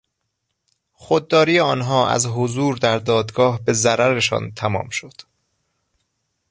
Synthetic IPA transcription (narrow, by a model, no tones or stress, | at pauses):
xod̪̚ːɒːɾijeɒːnɦɒːʔæ̰zɦozuːɾd̪æɾd̪ɒːd̪ɡɒːhbe̞zæɾæɾe̞ʃɒ̰ːnt̪ʰæmɒ̰ːmʃo̞d̪̥